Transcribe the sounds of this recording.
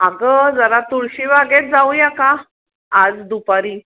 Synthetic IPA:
aɡəd͡zəɾat̪uɭɕiʋaɡet̪̚d͡zaũjaka | ad͡zd̪upaɾiː

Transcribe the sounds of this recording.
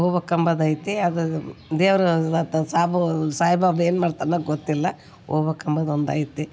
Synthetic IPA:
oːbɐkɐmbɐd̪aːjit̪ːeɐd̪ud̪eːʋɾɐt̪saːbɐsaːjbʱaːbeːnmaːɖt̪aːnɐɡot̪ːilːɐ | oːbɐkɐmbɐd̪ond̪a̰ːjit̪ːe

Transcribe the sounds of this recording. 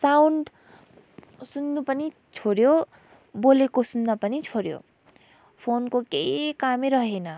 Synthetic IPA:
saːʊ̃ɳɖ | sʊ̃nd̪upəni | t͡ʃʰoːɾjo | boːlekosʊnd̪apənit͡ʃʰoːɾjo̰ː | pʰoːnkokeikaːmẽɾəɦenaː

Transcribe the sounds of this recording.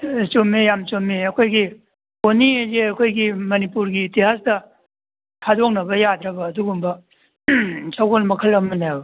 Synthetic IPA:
t͡ʃomijamt͡ʃomiɐkʰojɡi | koniezeɐkʰojɡimɐnipuɾɡiːtiɦasdɐ | tʰadok̚nɐβɐjad̪ɾɐbɐːduɡumbɐ | saɡolmɐkʰəlɐmɐnajbɐ

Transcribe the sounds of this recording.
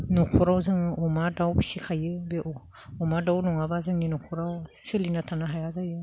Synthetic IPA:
nɔkʰɔɾawzɯŋɯʔɔmadawbisikʰajɯbeʔ | ɔmadawnɔŋabazɯŋinɔkʰɔɾawsɯlinatʰanaɦajazajɯ

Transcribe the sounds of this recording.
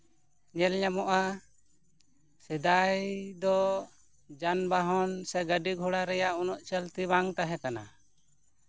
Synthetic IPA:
ɲɛlɲamɔʔa | sɛd̪ajd̪ɔ | d͡ʒanbaɦɔnsɛɡəɖiɡʱɔɽaɾɛjaʔunɔʔt͡ʃəlt̪iβaŋt̪aɦɛkana̰

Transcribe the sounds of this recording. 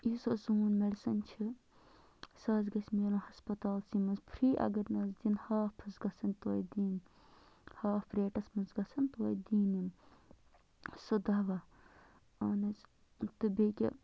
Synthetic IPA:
isosuːnmelʲsɐnʲt͡ʃʰi | sɐzɡɐsʲmeːɾɐ̃hɐspɐt̪aːlsimɐnzpʰɾiːʔɐ̰ɡɐɾnɐzd̪inhaːfpʰɐsɡɐsɐnʲt̪oːjd̪iːn | haːfpʰɾeːʈɐsmɐnzɡɐsʰɐnt̪oːjd̪iːnim | sɨd̪ɐʋɐ | ɐːnɐt͡s | t̪ɨbekʲḭ

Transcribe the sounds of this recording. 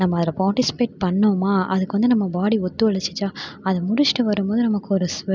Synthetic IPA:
nɐmːɐɐðɪlɐpaːɾʈɪsɪ̥peːʈ̚pɐɳːoːmaːɐ̰ðɯkːɯʋɐnd̪ɯnɐmːɐbaːɽiɔt̪ːɯʋɐɭɐt͡ʃːɯt͡ʃːaːɐðɐmʊɽɪt͡ʃːɪʈɯʋɐɾɯmboːðɯnɐmɐkːɯɔɾɯsʋ

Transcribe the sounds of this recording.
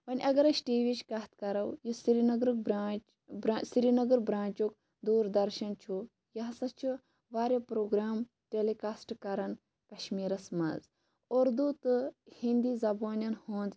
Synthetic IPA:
pɐnʲʔɐɡɐɾɐʃʈiːʋit͡ʃkɐɦt̪kɐɾɐwjusiɾinɐɡɾɨk̚bɾaːt͡ʃ | bɾasiɾinɐɡɐɾbɾãːnt͡ʃuk̚ | d̪uːɾd̪ɐɾʃɐnt͡ʃʰu | jɐɦsɐt͡ʃʰu | ʋaːɾʲjɐpɾoːɡɾaːm | ʈelekaːsʈkɐɾɐn | kɐʃmiːɾɐsmɐ̰z | oːɾd̪ut̪ɨhind̪izɐboːnʲɐnhõːnd̪

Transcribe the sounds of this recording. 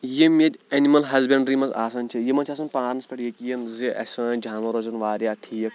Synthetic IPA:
jemed̪ʲɐnimɐlɦɐzbeɳɖɾimɐza̰ːsɐnt͡ʃʰijemɐnt͡ʃʰas̬ɐnʲpaːɾnɐspɐʈjekijɐnziʔɐ̰sɐ̃ːd͡ʒʱaːnɐɾoːd͡ʒɐnʋaːɾjaːtʰijɐk

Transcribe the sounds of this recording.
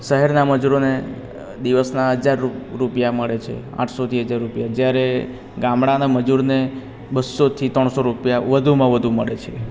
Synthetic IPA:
ʃəɦɛɾnaməd͡ʒuɾone | d̪iʋəsnaəd͡ʒaɾɾupjaməɭet͡ʃʰḛ | ã̰ʈʰsot̪ʰiɦəd͡ʒaɾːupjad͡ʒjaɾe | ɡãmɽanaməd͡ʒuɾne | bəsːot̪ʰit̪ɾəɳ̃soɾupjaʋəd̪ʱumãʋəd̪ʱuməɭet͡ʃʰe

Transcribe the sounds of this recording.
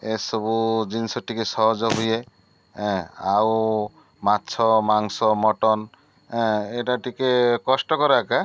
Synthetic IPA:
esɔbud͡ʒinsɔʈʰikesɔɦɔd͡ʒɔɦuje | aw | matːʃʰɔmaŋsɔmɔʈɔn | eʈaʈikekɔsʈɔkɔɾaka

